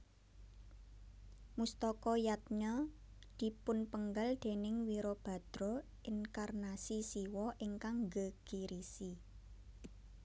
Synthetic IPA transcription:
must̪ɔkɔjat̪̚ɲɔ | d̪̥i̤pʊnpəŋɡald̪̥e̤nɪŋwiɾob̥a̤d̪̥ɾɔ | ɪnkarnasisiwɔʔiŋkaŋɡəɡ̥iɾisi

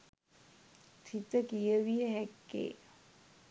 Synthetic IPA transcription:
t̪ʰit̪əkijəʋijəɦɛkːḛː

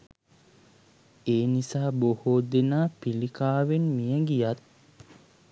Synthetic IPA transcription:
eːnisaːbohod̪enaːpilikaːʋenmijəɡijat̪̚

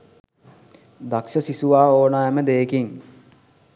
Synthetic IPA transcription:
d̪akʂəsisuʋaːoːnaɛməd̪eːkiŋ

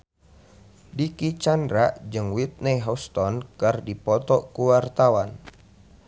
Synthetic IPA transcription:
dikit͡ʃandɾaʔd͡ʒɨŋwit̪̚nɛɦɔst̪ɔnkərdipɔt̪ɔʔkuwart̪awan

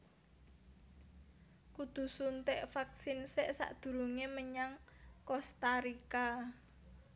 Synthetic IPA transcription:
kud̪̥ṳsunt̪eʔfak̚sinseʔsa̰ʔd̪̥ṳɾuŋeməɲaŋkɔst̪aɾika

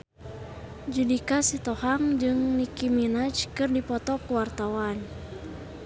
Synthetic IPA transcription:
d͡ʒudikasit̪ɔhaŋd͡ʒɨŋnikiminat͡ʃkɨrdipɔt̪ɔkuwart̪awan

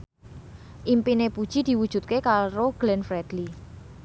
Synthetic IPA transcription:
ʔimpinepud̥ʒ̥id̪̥i̤wud̥ʒ̥ṳt̪̚kekaɾoɡ̥lɛnfɾɛd̪̥li

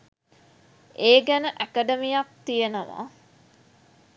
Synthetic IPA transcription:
ʔeːɡænəʔækəɖəmijak̚t̪ijenəʋa̰ː

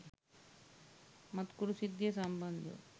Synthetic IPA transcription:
mɐt̪kuɾusid̪jɐsɐmbɐnd̪ṵ

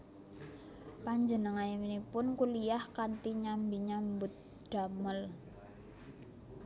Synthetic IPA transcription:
paɲd͡ʒənəŋaniminipʊnkulijahkant̪iɲambiɲambʊt̪̚ | d̥a̤məl

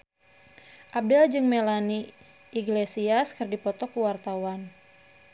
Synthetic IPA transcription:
ʔap̚dɛld͡ʒɨŋmelani | iɡlesiaskɨrdipɔt̪ɔkuwart̪awan

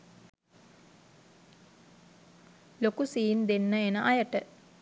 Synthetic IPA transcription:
lokusiːnd̪enːəenəʔajəʈə

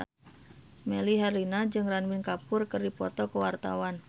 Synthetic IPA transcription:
meliɦarlinad͡ʒɨŋranwinkapʊrkərdipɔt̪ɔkəwart̪a̰wan

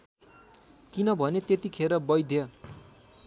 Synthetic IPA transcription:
kinʌbʱʌnet̪et̪ikʰeɾʌbʌjd̪ʱjʌ

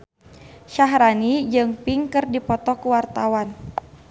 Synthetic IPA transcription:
ʃaɦɾanid͡ʒɨŋpiŋkɨrdipɔt̪ɔkuwart̪awan

